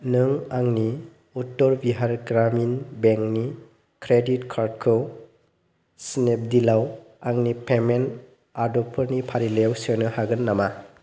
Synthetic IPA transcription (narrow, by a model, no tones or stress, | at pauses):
nɯŋaŋni | utːɔɾbiɦaɾɡɾaminbeŋkni | kɾeditkʰaɾd̚kʰɯw | snep̚dilaw | aŋnipemen | adɔpʰɯɾnipʰaɾilewsenɯhaɡɯnːama